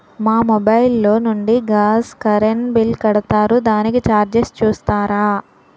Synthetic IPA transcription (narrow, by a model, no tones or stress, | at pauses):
maːmɔbɐjlːo̞ːnuɳɖiɡaːskɐɾenbilkɐɽɐt̪aːɾud̪aːnikit͡ʃaːɾd͡ʒest͡ʃuːst̪aːɾaː